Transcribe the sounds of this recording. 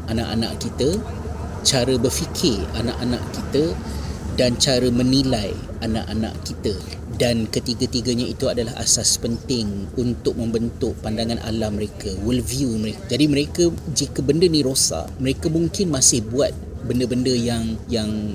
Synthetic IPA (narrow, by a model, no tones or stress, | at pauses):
ʔanãʔa̰nã̰ʔkit̪ə | t͡ʃaɾəbərfikʰɪrana̰ʔanã̰ʔkit̪ədant͡ʃaɾəmə̃nilaj | anã̰ʔanã̰ʔkit̪ə | dankət̪iɡət̪iɡəɲait̪uadalaɦa̰saspənt̪ɪŋunt̪ʊk̚mə̃mbənt̪ʊʔ̚pandaŋãnʔa̰lahməɾekəwəlviuməɾekad͡ʒadimə̃ɾekəd͡ʒikəbəndənĩɾosa̰ʔməɾekəmũŋkɪnmasɪhbuat̪̚bəndəbəndəjaŋjaŋ